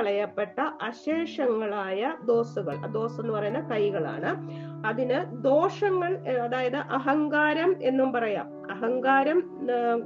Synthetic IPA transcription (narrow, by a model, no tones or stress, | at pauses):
ɐɭɐjɐpːe̞ʈːɐʔɐɕeːʂɐŋːɐɭaːjɐd̪o̞ːsuɣɐ̰ɭɐd̪o̞ːse̞nːupɐrɐjunːɐkɐjɣɐɭa̰ːɳɨ | ɐðinɨd̪o̞ːʂɐŋːɐɭɐðaːjɐðɨʔɐɦɐŋɡaːɾɐme̞nːumpɐrɐja̰ːm | ɐɦɐŋɡaːɾɐm